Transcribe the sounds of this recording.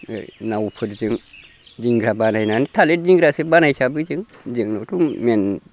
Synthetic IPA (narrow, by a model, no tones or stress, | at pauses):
nawupʰətd͡ʒiŋ | d͡ʒiŋɡɾabanainanitaled͡ʒiɡɾasibanait͡ʃabid͡ʒiŋ | d͡ʒiŋnotumen